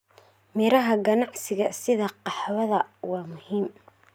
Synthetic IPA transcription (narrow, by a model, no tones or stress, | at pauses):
mɪɾɐɦɐɡɐnɑʕsɪɣɐsɪðɐqɑħwɐðɐwɑːmʊhiːm